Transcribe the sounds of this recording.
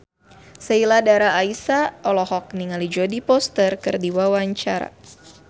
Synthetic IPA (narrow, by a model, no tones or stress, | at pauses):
səiladaɾaːisaʔɔlɔhɔk̚niŋalid͡ʒɔdipɔst̪ərkɨrdiwawaɲt͡ʃaɾa̰